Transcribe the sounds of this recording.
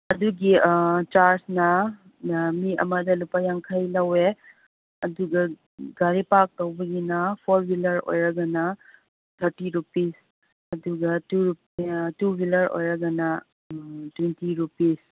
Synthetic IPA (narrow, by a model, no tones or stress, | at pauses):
ɐduɡit͡ʃaɾsnɐ | miɐ̰mɐdɐlupajaŋkʰajlɐwe | ɐduɡɐ | ɡaɾipak̚tɐwbɐɡinɐpʰoɾbilɐɾo̰jɾɐɡɐnɐ | t̪ʰɐɾtiɾupis | ɐduɡɐtuɾuptubilɐɾʔo̰jɾɐɡɐnɐ | twentiɾupis